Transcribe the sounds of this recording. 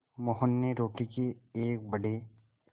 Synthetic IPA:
mɔɦənːeɾoːʈikeeːk̚bəɽe

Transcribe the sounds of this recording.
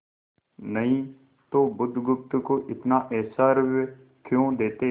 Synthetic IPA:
nəɦĩː | t̪oːbʊd̪ʱɡʊp̚t̪koːʔɪt̪naːʔɛːsaːɾʋ | kʰjõːd̪eːt̪e

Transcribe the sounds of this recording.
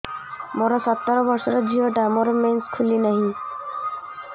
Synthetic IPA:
moɾɔsɔt̪ːɔɾɔbɔɾsɔɾɔd͡ʒiɦɔʈamɔɾɔmenskʰulinaɦĩ

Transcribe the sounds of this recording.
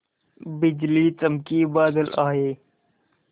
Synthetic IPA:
bɪd͡ʒliːt͡səmkiːbaːd̪əlʔaːɦeː

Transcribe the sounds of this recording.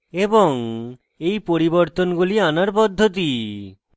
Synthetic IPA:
eboŋ | ejpoɾiboɾt̪onɡulianaɾpɔd̪ʱːot̪̬i

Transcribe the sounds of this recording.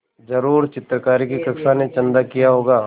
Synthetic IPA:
d͡ʒɐɾuːɾt͡ʃɪt̪ɾəkaːɾikikɐksanet͡ʃɐ̃nd̪akijaɦoːɡaː

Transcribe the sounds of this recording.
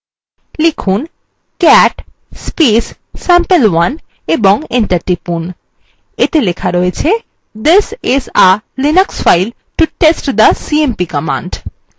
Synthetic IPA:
likʰun | kɛʈ | spis | sɛ̃mpelwan | ebɔŋeɳʈaɾʈipun | et̪elekʰaɾoet͡ɕʰe | d̪isizalinəksfajl | ʈuʈesʈd̪əsiempikɔmã̰ɳɖ

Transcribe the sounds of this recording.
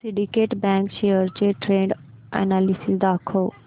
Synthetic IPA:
siɖikeːʈbɛ̃ːŋkʃeːjəɾt͡ɕeʈɾẽːɳɖ | ɛ̰naːlisisd̪aːkʰoː

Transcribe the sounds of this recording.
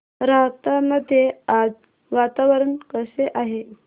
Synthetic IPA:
ɾaɦt̪aməd̪ʱjead͡z | ʋat̪aʋəɾənkəseʔaɦe

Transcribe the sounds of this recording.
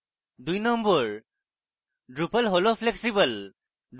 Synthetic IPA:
d̪ujnɔmbɔɹ | dɹupəlɦolopʰleksibəl | d

